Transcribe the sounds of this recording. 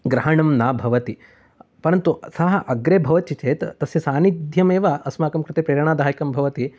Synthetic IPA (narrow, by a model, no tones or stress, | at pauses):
ɡɾɐɦɐɳɐmnaːbʱɐʋɐt̪i | pɐɾɐnt̪usɐɦɐʔɐɡɾeːbʱɐʋɐt̪t͡ʃit͡ʃeːt̪t̪ɐsjɐsaːnid̪ʱjɐmeːʋaɐsmaːkɐmkɾɪt̪eːpɾeːɾɐɳ̃aːd̪ʱaːjikɐmbʱɐʋɐt̪i